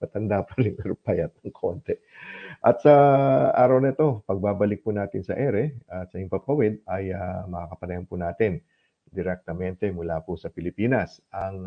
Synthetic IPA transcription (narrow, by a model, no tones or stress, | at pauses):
pɐt̪ɐnd̪apɐɾɪnɛɾʊpajɐt̪̚ɐŋkʰo̞nt̪ɛ | ʔɐt̪sɐʔaːɾɐwnɐɪt̪o̞pɐɡ̚baːbɐlɪk̚pʊnaːt̪ɪnsɐ̰ʔɛɾɛʔɐt̪sɐɪmpɐbpɐwɪd̪̚ɐjamɐakɐpɐnɐjɐnpʊnaːt̪ɪn | d̪ɪɾɛk̚t̪ɐmɛnt̪ɛmʊlaːpʊsɐpɪlɪpiːnɐsʔɐŋ